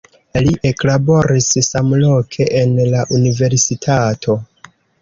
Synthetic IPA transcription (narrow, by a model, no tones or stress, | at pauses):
liʔe̞klabo̞ɾissamlo̞kʰe̞ʔenlaʔunive̞ɾsitʰatʰo̞